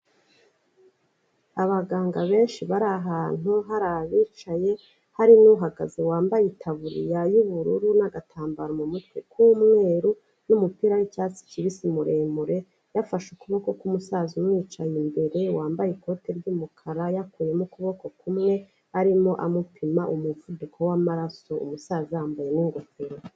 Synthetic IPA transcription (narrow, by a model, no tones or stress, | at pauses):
aβaɡaːŋɡaβe̞ːnʃiβaɾaɦaːn̥uɦaɾaβiːt͡ʃaje̞ | haɾinuɦaɡa̰zewaːmbajitʰaβuɾḭjajuβuɾuɾunaɡatʰaːmbaɾomumutkwekumŋe̞ːɾu | numupiːɾanicat͡si̥ciβisimuɾe̞ːmuɾe̞ | jafaʃukuβo̞ko̞kumusaːzumŋiːt͡ʃajimbe̞ɾe̞waːmbajeko̞te̞ɾɟumukʰaɾajakuje̞mukuβo̞ko̞kʰumŋe̞ | aɾimo̞ʔamupʰimaʔumuvudukʰowamaɾaso̞ṵmusaːziaːmbaje̞niŋɡofeɾo